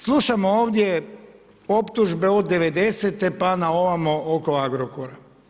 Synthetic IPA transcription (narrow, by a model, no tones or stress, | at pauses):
slˠuʃamooːʋd̪je̞ | o̞pt̪uʒbe̞od̪ːe̞ʋe̞d̪e̞set̪e̞panao̞ʋamooko̞aɡɾokoɾa